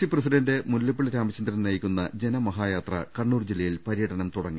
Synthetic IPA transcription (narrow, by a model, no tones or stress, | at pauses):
siprɐs̬iɖɐndemulːjɐpːiɭiɾaːmɐt͡ɕːɐnd̪ɾɐnnɐjikʲːunːɐd͡ʑe̞nɐmɐɦaːjaːt̪rɐ̰kɐɳːuːrd͡ʑilːɐjilpɐɾijɐɽɐnɐmt̪uɽɐŋːi